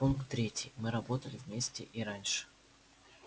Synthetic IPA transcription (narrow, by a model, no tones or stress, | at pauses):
unkt̪ːɾʲetʲɪjmɨɾɐbo̞t̪əlʲɪvʲmʲesʲtʲɪ̰ʔiɾanʲʂɨ̥